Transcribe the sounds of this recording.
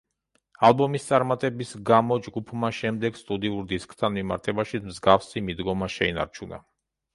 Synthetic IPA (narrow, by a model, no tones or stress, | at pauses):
alˠbɔmist̪sʼaɾmat̪ʼɛbisɡamɔd͡ʒɡupʰmaʃɛmd̪ɛɡst̪ʼud̪iuɾd̪iskʼt̪ʰanmima̰ɾt̪ʰɛbaʃimzɡafsimid̪ɡɔmaʃɛina̰ɾt͡ʃʰuna̰